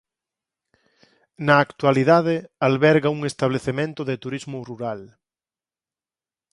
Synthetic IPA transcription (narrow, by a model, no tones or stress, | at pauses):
naːkt̪waliðaðealβɛɾɣauŋest̪aβleθemẽnt̪ʊðet̪uɾizmʊruɾal